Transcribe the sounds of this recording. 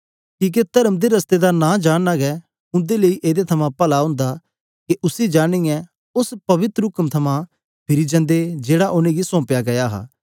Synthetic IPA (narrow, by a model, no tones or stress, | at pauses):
kĩːk̬et̪ɐɾəmd̪eɾɐst̪ed̪anãːd͡ʒaːɽnaɡɛ | ʊ̃nd̪eleiʔeːd̪et̪ʰɐmãpɐlaɦʊ̃ːnd̪a | keʔʊsid͡ʒaːɽ̃ijɛ̃ | ʊspɐʋɪt̪ɾɦʊkəmt̪ʰɐmã | pʰɪɾid͡ʒɐ̃nd̪ed͡ʒeːɽaʔʊnẽɡisɔ̃ːpjaɡɐjaɦa̰ː